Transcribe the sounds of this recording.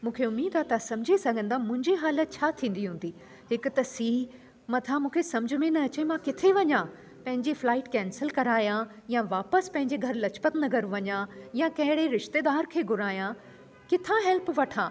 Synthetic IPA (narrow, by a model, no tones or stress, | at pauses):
mũːkʰeʊmiːd̪aːt̪asɐ̃md͡ʑʱisɐɡʱə̃nd̪amʊ̃ɦɪ̃ɲd͡ʑiɦaːlət̪̚t͡ɕʰaːt̪ʰĩːn̆d̪iɦũːn̆d̪i | hɪkʊ̆t̪ɐsiː | mɐt̪ʰãmũːkʰesɐ̃md͡ʑʱʊmẽnɐːt͡ɕemãkɪt̪ʰeʋɐɲã | pɐ̃ɦɪ̃ɲd͡ʑiflaːɪʈkɛ̃ːnsəlkɐɾaːjã | jãʋaːpəspɐ̃ɦɪ̃ɲd͡ʑeɡʱɐɾlɐt͡ɕpət̪nɐɡəɾʋɐɲãjãkɐ̃ɦɪɽeɾɪʃt̪eːd̪aːɾkʰeːɡʱʊɾaːjã | kɪt̪ʰãɦɛlpʋɐʈʰãː